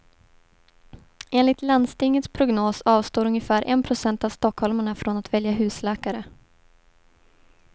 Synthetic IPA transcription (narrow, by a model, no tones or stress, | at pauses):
ʔeːnlɪt̪land̪st̪ɪŋːət̪spʰɾʊɡnoːsɑːvst̪oːɾɵŋjəfæːɾʔɛ̰npʰɾʊsɛnt̪avst̪ɔkhɔlmaɳafɾɔnat̪vɛljaɦʉ̟ːslɛːkaɾə